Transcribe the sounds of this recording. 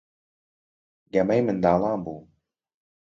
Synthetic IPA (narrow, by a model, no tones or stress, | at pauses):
ɡɐmɛjmɨnd̪ɑːlˠɑːnbuː